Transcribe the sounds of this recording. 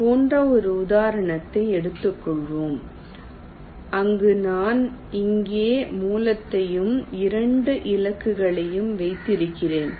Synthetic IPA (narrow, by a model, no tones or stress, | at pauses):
poːndrɐɔɾɯʊðaːɾɐɳɐt̪ːɐɪɛɽɯt̪ːɯkːɔɭʋoːm | ɐŋɡɯnaːnɪŋɡeːmuːlɐt̪ːɐjɯmɪɾɐɳɖɯʔɪlɐkːɯɣɐɭɐjɯmʋɐɪt̪ːɪɾɯkːɪreːn